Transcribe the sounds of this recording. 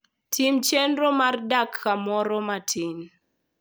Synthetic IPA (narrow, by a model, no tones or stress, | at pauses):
tʰimt͡ʃenɾomardakːamɔɾɔmatʰin